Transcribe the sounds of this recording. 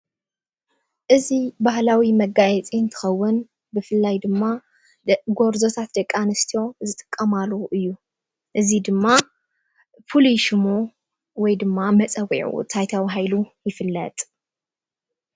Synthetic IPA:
ʔɨzibahlawimɐɡajɛt͡sʼiɨnt̪ʰɨ̥xɐwːʊn | bɨfɨlːajd̪ɨmːa | ɡoɾzo̞t̪ʰat̪d̪ɐkʼːanɐst̪ʰijo̞zɨt̪ʼɨ̥kʼːɐmalɐʔɨjːu | ʔɨzid̪ɨmːa | pʰoliʃmo | wɔjd̪ɨmːamɐt͡sʼɐwḭʕṵt̪ʰajt̪ʰawɦajlujɪfɨlːɐ̰t̪ʼ

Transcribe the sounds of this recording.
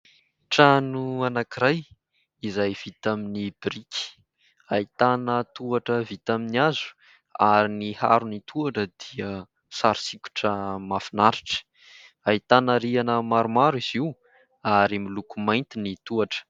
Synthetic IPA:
ʈ͡ʂanuanakiɾaj | izajv̥it̪aminibɾiki̥ | ait̪anət̪uaʈ͡ʂəvit̪aminiazu̥ | aɾiniha̰ɾunit̪ʰuaʈ͡ʂəd̪̥iə | saɾi̥sikʲu̥ʈ͡ʂəmafinaɾiʈ͡ʂə̥ | ait̪anəɾianəmaɾumaɾiz̥iu | aɾimilukumajnt̪init̪uaʈ͡ʂə̥

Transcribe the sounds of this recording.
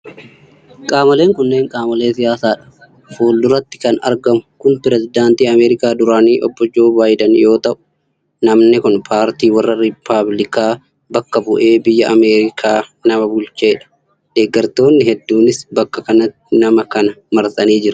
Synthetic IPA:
kʼaːmɐle̞ːŋkʊnːe̞ːŋkʼaːmɐleːsɪjaːsaːᶑɐ̥ | foːld̪ʊɾɐt̪ːɪ̥kɐnɐ̰ɾɡɐmʊkʊnpɪɾɛsɪd̪aːnt̪iːɐmeːɾɪkaːd̪ʊɾaːniːʔɔbːɔd͡ʒoːbaːjd̪ɐnjo̞ːt̪ɐʔʊ̥ | nɐmnɪkʊnpʰaːɾt̪iːwɐrːɐɾɪpʰːablɪkaː | bɐkːɐbʊʔe̞ːbɪjːɐʔɐmeːɾɪkʰaːnɐmɐbʊlt͡ʃe̞ːᶑɐ̥ | d̪̥eːɡːɐɾt̪o̞ːnːɪhɛd̪ːuːnɪsbɐkːɐkɐnɐt̪ːɪnɐmɐkɐnɐmɐɾt̪ʼɐniːd͡ʒɪɾʊ̥

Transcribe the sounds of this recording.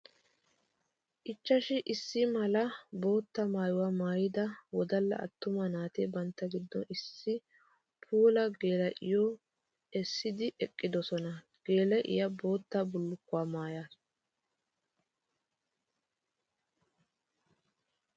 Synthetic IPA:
ʔɪt͡ʃːɐʃɪʔɪsːɪmɐlɐbo̞ːt̪ːɐmaːjʊwaːmaːjɪd̪ɐwɔd̪ɐlːɐ̰ʔɐ̰t̪ːʊmɐnaːt̪ɛbɐnt̪ːɐɡɪd̪ːɔ̰nɪsːɪ | pʰuːlɐɡe̞ːlɐʔɪ̰jɔ | ɛsːɪd̪ɪʔɛkʼːɪd̪ɔsɔnɐ | ɡ̥e̞ːlɐʔɪ̰jɐbo̞ːt̪ːabʊlːʊkːʊwaːmaːjaːs

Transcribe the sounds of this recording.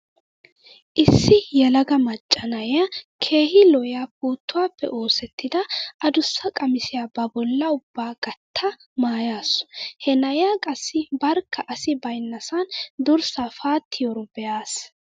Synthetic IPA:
ʔɪsːɪjɛlɐɡɐmɐt͡ʃʼːɐnɐjjakʰe̞ːhɪlɔjabuːt̪ːʊwaːpːɛ̰ʔo̞ːsɛt̪ːɪd̪ɐɐd̪ʊsːɐkʼɐmɪsɪjaːbɐbɔlːɐʊbːaːɡ̥ɐt̪ʰːɐ | maːjaːsʊ̥hɛnɐjakʼɐsːɪbɐɾkʰːɐʔɐsɪbɐjnːɐsɐnd̪ʊɾsaːfaːt̪ːɪjɔɾɔbɛjaːs

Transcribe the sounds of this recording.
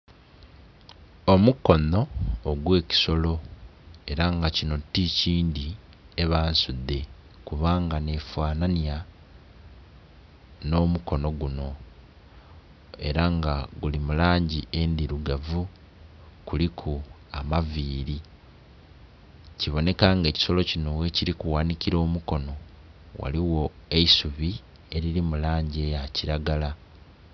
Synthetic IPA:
omuko̞no̞ːɡwe̞ːci̥so̞lo̞eɾaŋɡacino̞tːiciːnd̪i | e̞βaːnsud̪ːe̞ | kuβaːŋɡane̞fwaːnania | no̞ːmuko̞no̞ɡuno̞ | e̞̰ɾaŋɡaɡulimulaːɲɟie̞nd̪iɾuɡavu | kulikʰu | amaviːɾi | ciβo̞ne̞kaːŋɡe̞ːci̥so̞lo̞cino̞weciɾikuwaːnikiɾo̞ːmuko̞no̞ | wa̰liwo̞e̞isuβi | e̞ɾilimulaːɲɟe̞jaciɾaɡala

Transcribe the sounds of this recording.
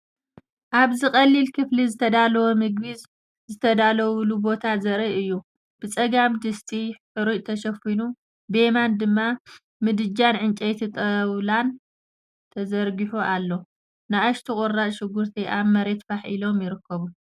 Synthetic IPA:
ʔaβzɨxʼɐlːilkʰɨflizɨt̪ʰɐd̪alɐwomɨɡbiz | zɨt̪ʰɐd̪alɐwlubo̞t̪ʰazɐɾiʔɨjːu | b̥ɨt͡sʼɐɡamd̪ɨst̪ʼiħɨɾut̪ʰɐʃɐfinu | bemand̪ɨmːa | mɨd̪ɨd͡ʒanʕɨnt͡ʃʼɐjt̪ʰit̪ʼɐwlan | t̪ʰɐzɐɾɡiħuʔalːo̞ | naaʃt̪ʰikʼʊrːaʔʃɪɡuɾt̪ʰiʔamːɐɾe̞t̪faħʔilo̞mjɪɾɨkʰːɐβu

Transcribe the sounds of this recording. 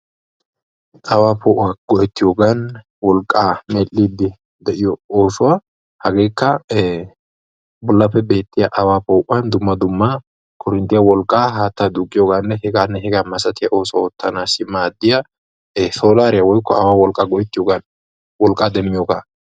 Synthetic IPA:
ʔɐwaːpoːʔwaɡ̥ɔjɛt̪ːɪjoːɡan | wɔlkʼːaːmelːid̪ɪ | d̪ɛʔɪjɔoːsʊwa | hɐɡeːkːɐ | bʊlːɐpːɛbe̞ːt̪ːɪjɐʔɐwaːpoːʔʊɐnd̪ʊmːɐd̪ʊmːa | kʰɔɾɪnt̪ːɪjɐwɔlkʼːaːɦaːt̪ːad̪ukʼːɪjoːɡanːɛhɛɡaːnːɛɦɛɡaːmɐsɐt̪ɪjɐʔo̞ːsʊwɔt̪ːɐnaːsɪmaːd̪ːɪjɐ | so̞ːlaːɾɪjɐwɔjkːɔɐwaːwɔlkʼːaɡɔjɛt̪ːɪjoːɡɐn | wɔlkʼːaːd̪ɛmːɪjoːɡaː

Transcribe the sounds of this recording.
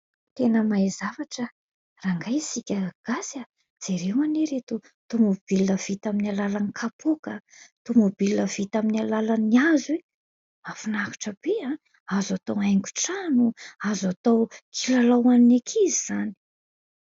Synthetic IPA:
t̪enəmaizavaʈ͡ʂə | raŋɡajsikʲəɡ̥asja | d͡z̥eɾewaneɾet̪u | t̪umob̥ilːəv̥it̪aminalalanikʰapʰukət̪umobilːəv̥it̪aminalalaniaze | afunaku̥ʈ͡ʂəbeã | azat̪owajŋɡu̥ʈ͡ʂanuazat̪awkʰilalawaninekʰiziz̥ani̥

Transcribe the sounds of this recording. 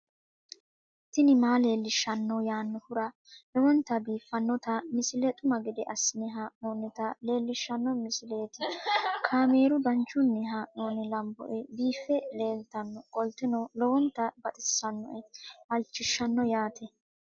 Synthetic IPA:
t̪ːɪnɪmaːle̞ːlːɪʃːɐnːɔjaːnːɔhʊɾɐ | lɔwɔnt̪ːɐbiːfːɐnːɔt̪ɐmɪsɪlɛt̪ʼʊmɐɡɪd̪ɛʔɐsːɪnɪɦaːʔnoːnːɛt̪ɐle̞ːlːɪʃːɐnːɔmɪsɪle̞ːt̪ɪkʰaːme̞ːɾʊb̪ɐnt͡ʃːʊnːɛɦaːʔnoːnɪlɐmbɔ̰ʔɛbiːfːɛleːlt̪ɐnːɔkʼɔlt̪ɪnɔlɔwɔnt̪ːɐbɐt̪ʼɪsːɐnːɔ̰ʔɛʔɐlt͡ʃːɪʃːɐnːɔjaːt̪ɛ

